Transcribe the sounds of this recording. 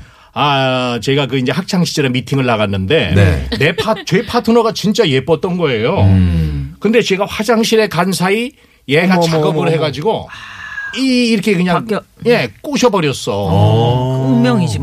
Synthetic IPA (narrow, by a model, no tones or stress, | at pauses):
at͡ɕeiɡakɯind͡ʑe̞hʰak̚t͡ɕʰaŋɕʰid͡ʑʌɾemitʰiŋɯɭːaɣanːɯnde̞ḛne̞pʰat͡ɕepʰatʰonoɡat͡ɕint͡ɕ͈aje̞p͈ʌt̚t͈ʌnɡʌe̞jo | kɯnde̞t͡ɕeɡaɸwad͡ʑaŋɕʰiɾe̞kansʰai | jeɡamʰɯk͈ʌmɯɭhe̞ɡad͡ʑiɡo | iːɾʌkʰe̞kɯɲaŋje̞k͈uɕʰʌbʌɾjʌs͈ʌ | uŋmjʌŋid͡ʑi